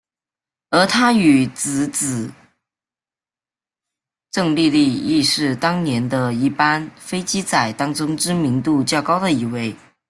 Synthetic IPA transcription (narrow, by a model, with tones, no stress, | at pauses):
ə˞˧˥t̪ʰa˥y˨˩t͡sɹ̩˨˩t͡sɹ̩˨˩ | ʈ͡ʂɤ˥˧ŋli˥˧li˥˧i˥˧ʂɻ̩˥˩t̪ɑ˥ŋnjɛ˧˥nd̪ə˧i˥˩pa˥nfe˥ɪt͡ɕi˥t͡sa˨˩ɪt̪ɑ˥ŋʈ͡ʂʊ˥ŋʈ͡ʂɻ̩˥mi˧˥nt̪u˥˧t͡ɕjɑ˥˩ʊkɑ˥ʊd̪ə˨i˧˥we˥˩ɪ